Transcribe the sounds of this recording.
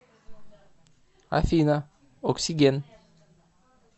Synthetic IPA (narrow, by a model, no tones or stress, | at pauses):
a̰fina | oksiɡʲen